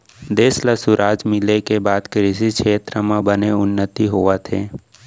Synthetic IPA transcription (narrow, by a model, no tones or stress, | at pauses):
d̪eːsləsʊɾʔaːd͡ʒmɪlekebaːd̪kɾɪsikʃʰeːt̪ɾəmãbəneʊnːət̪iɦoʋat̪ʰeː